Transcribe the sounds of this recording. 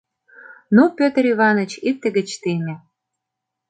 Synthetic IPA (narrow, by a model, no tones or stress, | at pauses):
nupʲøt̪əɾiβɑnə̆t͡ɕik̚t̪ĕɣə̆t͡ɕt̪emʲĕ